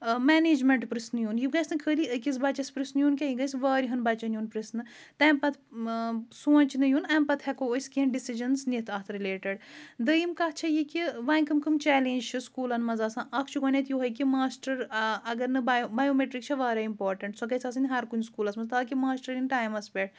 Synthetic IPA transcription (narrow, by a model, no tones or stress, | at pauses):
mɛːneːd͡ʒmeɳʈpɾisnɨjunjiɡajsnɨkʰəːliəkisbɐt͡ʃɐsʲpɾisnjuːnkʲɐjiɡɐjsʋaːɾiɦɐnbɐt͡ʃɐnjuːnpɾisnɨ | t̪ɛ̃ːmpɐt̪ʰ | soːnʲt͡ʃnɨjunɐmpɐt̪ʰhɛkoːskiɐnɖisid͡ʒɐnsnit̪ʰɐt̪ʰɾileːʈɐɖd̪əjimkɐht͡ʃʰɐjikiʋaːnʲkɨmkɨmt͡ʃɛːlẽːnd͡ʒt͡ʃʰiskuːlɐnmɐzɐːsãːʔɐkʰt͡ʃʰukɔnʲɐt̪juɦɐjkimaːsʈɐɾɐɡɐɾnɨbbɐjoːmeʈɾik̚t͡ʃʰiʋaːɾɐimpoːɾʈɐɳʈsɔkɐjsʰɐːs̬ɨnʲiɦɐɾkunʲskuːlɐsmɐzt̪aːkimaːsʈɐɾjinʈaːjmɐspʲeʈ